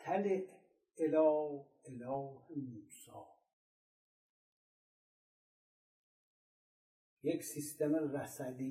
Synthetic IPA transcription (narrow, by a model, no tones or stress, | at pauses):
t̪ʰæleʔ | elɒː | elɒːhemusɒː | jeksist̪emeræsæd̪i